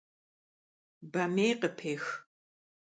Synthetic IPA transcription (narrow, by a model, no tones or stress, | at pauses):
bɐmeːqəpʰeːx